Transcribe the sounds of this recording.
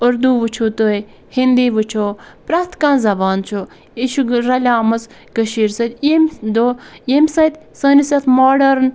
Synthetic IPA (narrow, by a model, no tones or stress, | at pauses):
ʊɾd̪uʋut͡ʃʰut̪oj | hind̪iːʋɨt͡ʃʰoːpɾaːt̪kãːnzɐbaːnt͡ʃʰu | iʃuɾɐlʲaːmɐs | ɡəʃiːɾsɐt̪ʲemd̪ojemsɐt̪ | səːnisɐt̪ʰmoːɖɐɾn